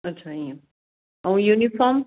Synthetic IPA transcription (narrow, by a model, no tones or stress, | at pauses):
ɐtːt͡ʃʰaĩ | aũjunifɔm